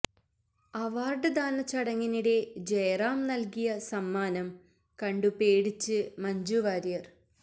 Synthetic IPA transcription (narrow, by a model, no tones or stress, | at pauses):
ɐʋaːrɖɨd̪aːnɐt͡ɕːɐɽɐŋːiniɽe̞d͡ʑejraːmnɐlkijɐsɐmːaːnɐm | kɐɳɖupeːɽit͡ɕːɨmɐɲd͡ʑuʋaːɾijɐr